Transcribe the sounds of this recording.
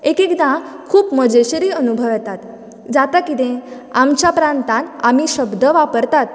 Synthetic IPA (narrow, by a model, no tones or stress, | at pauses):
ekekd̪ã | kʰuːpməd͡ʑeɕɾiːənubʱəʋt̪at̪ | d͡zat̪akit̪ẽ | amt͡ɕjapɾãnt̪ãnamiɕəbd̪əʋapəɾt̪at̪̚